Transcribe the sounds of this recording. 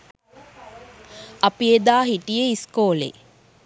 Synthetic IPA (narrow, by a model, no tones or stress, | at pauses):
ɐpijed̪aːɦiʈijeiskoːlḛ